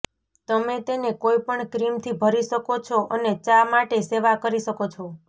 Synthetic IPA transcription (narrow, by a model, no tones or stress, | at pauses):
t̪əmet̪enekoipəɳkɾimt̪ʰibʱəɾiʃəkot͡ʃʰoʔənet͡ʃamaʈeseʋakəɾiʃəkot͡ʃʰo